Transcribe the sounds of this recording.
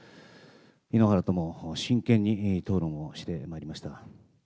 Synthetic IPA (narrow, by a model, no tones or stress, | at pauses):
inoɦaɾat̪o̞mo̞ɕĩŋkẽɲ̟ːit̪o̞ːɾõmoɕi̥t̪e̞maiɾʲimaɕi̥t̪a